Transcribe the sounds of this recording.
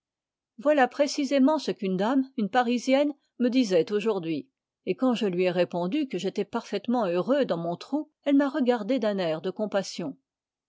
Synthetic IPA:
vwalapχesizemɑ̃səkynd̪amynpaʁizjɛn | məd̪izɛt̪oʒuʁd̪ɥi | ekɑ̃ʒəlɥiɛʁepɔ̃d̪ykəʒet̪ɛpaʁfɛt̪mɑ̃øʁød̪ɑ̃mɔ̃t̪χu | ɛlmaʁəɡaʁd̪ed̪ɛ̃nɛʁd̪əkɔ̃pasjɔ̃

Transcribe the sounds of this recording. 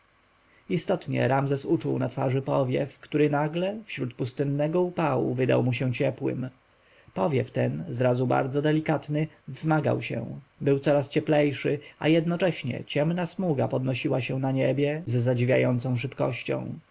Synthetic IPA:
ist̪ɔt̪ɲɛ̰ɾamzɛsut͡ʂuwnat̪faʐɘpɔvʲjɛfkt̪uɾɘnaɡlɛfɕɾut̪pust̪ɘnːɛɡɔupawṵvɘd̪a̰wmuɕɛ̃t͡ɕɛpwɘ̰m | pɔvʲjɛft̪ɛnzɾazuba̰ɾd̪zɔd̪ɛlʲikat̪nɘ | vzmaɡa̰wɕɛ̰̃bɘwt̪sɔɾast͡ɕɛplɛjʂɘʔa̰jɛd̪nɔt͡ʂɛɕɲɛ̰t͡ɕɛmnasmuɡapɔd̪nɔɕiwaɕɛ̃naɲebʲjɛzːad͡ʑivʲja̰jɔnt̪sɔ̃w̃ʂɘpkɔ̰ɕt͡ɕɔ̰̃w̃

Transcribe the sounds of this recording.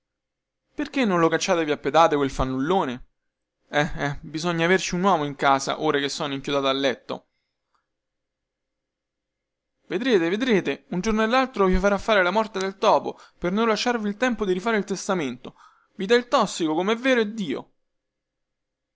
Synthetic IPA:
perk̟enːõnlokat͡ʃːaːt̪eviapːed̪aːt̪ekwelfanːulːoːne | ɛɛbizɔɲːaːvert͡ʃiunwɔːmoiŋkaːza̰ʔoːɾak̟esːɔnoiŋkjud̪aːt̪aːlːɛt̪ːo̰ | ved̪ɾeːt̪eved̪ɾeːt̪eund͡ʒornoelːalt̪ɾoviofaɾafːaːɾelamɔrt̪ed̪elt̪ɔːpopernonlaʃːarvilt̪ɛmpod̪iɾifaːɾeilt̪est̪ament̪o | vid̪ɛilt̪ɔsːikokomeɛvːeːɾoɛd̪ːiːo̰

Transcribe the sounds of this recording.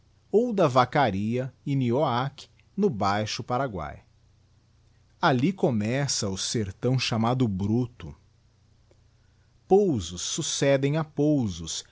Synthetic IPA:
owd̪ɐvakaɾiɐɪnioakɪ̥ | nʊbajʃʊpaɾaɡwa̰j | alikomɛsɐʊseɾt̪ɐ̃w̃ʃamad̪ʊbɾut̪ʊ̰ | powzʊsːusɛd̪ẽj̃apowzʊs

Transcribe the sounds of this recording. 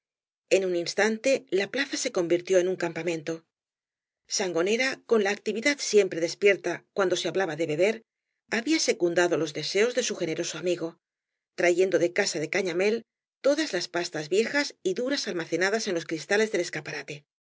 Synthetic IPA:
e̞nuninst̪ant̪e̞laplaθase̞ko̞mbiɾt̪jo̞e̞nuŋkampamẽ̞nt̪o̞ | saŋɡo̞ne̞ɾako̞nlaːk̚t̪iβiðaðsje̞mpɾe̞ðe̞spje̞ɾt̪akwand̪o̞se̞aβlaβaðe̞βe̞βe̞ɾ | aβiase̞kund̪aðolo̞zðe̞se̞o̞zðe̞suxe̞ne̞ɾo̞so̞amiɣo̞ | t̪ɾaʝe̞nd̪o̞ðe̞kasaðe̞kaɲame̞l | t̪o̞ðazlaspast̪azβje̞xasiðuɾasalmaθe̞naðase̞nlo̞skɾist̪ale̞zðe̞le̞skapaɾat̪e̞

